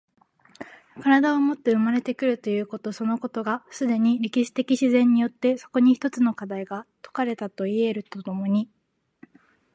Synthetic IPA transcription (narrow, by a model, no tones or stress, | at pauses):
kaɾad̪aomo̞t̪ːe̞ɯ̟maɾe̞t̪e̞kɯ̟ɾɯ̟t̪o̞jɯ̟ːko̞t̪o̞so̞no̞ko̞t̪o̞ɡasɨd̪e̞ɲ̟iɾʲikʲiɕi̥t̪e̞kʲiɕizẽ̞ɲ̟ːijo̞t̪ːe̞so̞̥ko̞ɲ̟içi̥t̪o̞t͡sɨno̞kad̪aiɡat̪o̞̥kaɾe̞t̪at̪o̞ie̞ɾɯ̟t̪o̞t̪o̞mo̞ɲ̟i